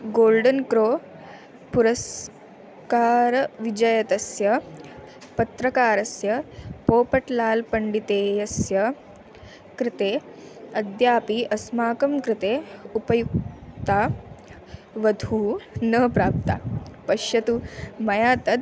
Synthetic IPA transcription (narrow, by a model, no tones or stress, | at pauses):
ɡoːlɖɐnkɾoː | puɾɐs | kaːɾɐʋid͡ʒɐjɐt̪ɐsjɐ | pɐt̪ɾɐkaːɾɐsjɐpoːpɐʈlaːlpɐɳɖit̪eːjɐsjɐ | kɾɪt̪eː | ɐd̪jaːpiʔɐsmaːkɐmkɾɪt̪eːupɐjuk̚t̪aː | ʋɐd̪ʱuːnɐpɾaːp̚t̪a̰ːpɐʃjɐt̪umɐjaːt̪ɐd̪